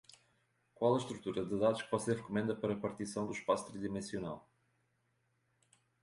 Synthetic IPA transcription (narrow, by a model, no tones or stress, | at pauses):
kwalˠɐʃt̪ɾut̪uɾɐðɨðaðuʃkɨ̥vɔseɾʁɨkumẽnd̪ɐpɐɾɐpɐɾt̪isɐ̃w̃d̪uʃpasu̥t̪ɾiðimẽsiuna̰lˠ